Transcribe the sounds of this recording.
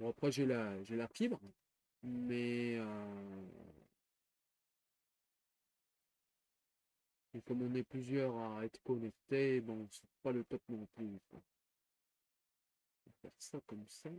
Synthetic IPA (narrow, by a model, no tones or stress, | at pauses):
bɔ̃apχɛʒelaʒelafibʁ | mɛø | ekɔmɔ̃nɛplyzjœʁaɛt̪χə̥kɔnɛk̚t̪ebɔ̃sɛ̥palət̪ɔp̚nɔ̃plykwã̰ | vafɛʁsakɔmsa